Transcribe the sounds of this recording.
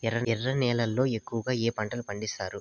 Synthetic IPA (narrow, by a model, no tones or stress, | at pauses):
ɛrɐɛrːɐnɛːlɐlːo̞ːekːuʋɐɡaːeːpɐɳʈɐlupɐɳɖisaːɾu